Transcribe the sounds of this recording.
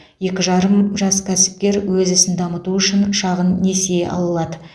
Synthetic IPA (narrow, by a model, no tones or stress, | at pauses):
je̞kʲɪʒɑɾəmʒɑskʲʰæsɪ̥p̚kʲe̞ɾwɵzɪsɪnd̪ɑmət̪uʏʃɪnʃɑʁənːeseʔɑ̰lˠəlˠɑd̪ə